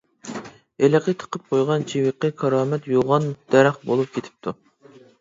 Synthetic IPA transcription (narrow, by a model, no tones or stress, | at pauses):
elɪqʰət̪ʰə̥qʰəp̚qʰojʁɑnt͡ʃʰiwɨqːəkʰɑɾɑːmɛt̪joʁɑnd̪̥ɛɾæχbolˠup̚kʲʰet̪ʰɪ̥p̚t̪ʰu